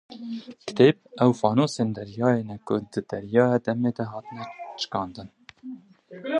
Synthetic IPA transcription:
kɨ̥t̪eːp̚ʔɛwfɑːnoːseːnd̪ɛɾjɑːjeːnɛkʊd̪ɨd̪ɛɾjɑːjɑd̪ɛmeːd̪ɛɦɑːt̪ənɛt͡ʃɨ̥kɑːnd̪ɨn

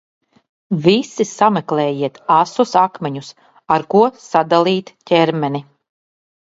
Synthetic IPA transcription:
vʲisisamɛklɛːjiɛt̪asusakmʲɛɲus | aɾkuɔsad̪alˠiːt̪cʲɛɾmɛni

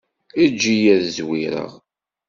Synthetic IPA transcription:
id͡ʒːijæðzwiɾə̰ʁ

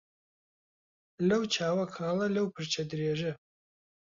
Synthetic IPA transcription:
lɐwt͡ʃʰaːwɐkʰaːlɐlɐwpʰɨɾt͡ʃʰɐd̪ɾeːʒɐ

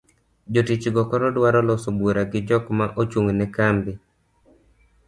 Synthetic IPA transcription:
d͡ʒotit͡ʃɡɔkɔɾɔdwaɾɔlɔsobwoɾaɡɪd͡ʒɔkmaʔot͡ʃwoŋnɛkambi

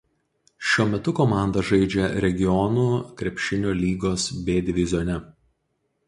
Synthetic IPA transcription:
ʃʲuɔmʲɛt̪ʊkɔmɑˑnd̪ɐʒɐɪd͡ʒʲɛɾʲɛɡʲɪjɔnuːkɾʲɛpʲʃʲɪnʲoːlʲiːɡoːsbʲeːd̪ʲɪʋʲɪzʲoːnʲɛ

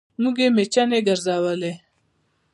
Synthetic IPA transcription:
muɡemet͡ʃaneɡəɾzawəle

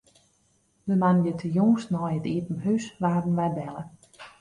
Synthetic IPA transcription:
dəmanjətʰəjɔŋstnɔjətiːtn̩ɦysʋaːrən̩ʋɛjbɛlˠə

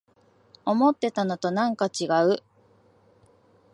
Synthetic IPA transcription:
o̞mo̞t̪ːe̞t̪ano̞t̪o̞nãŋkat͡ɕiɡaɯ̟

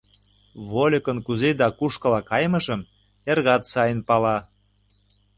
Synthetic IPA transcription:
βolʲə̆kənkuzed̪ɑkuʃkɤ̆lɑkɑjmə̆ʒə̆m | erɣɑt̪sɑjənpɑlɑ

